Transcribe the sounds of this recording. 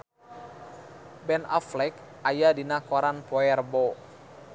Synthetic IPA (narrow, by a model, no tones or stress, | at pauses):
bɛnaflɛk̚ajadinakɔɾanpɔɛrbɔ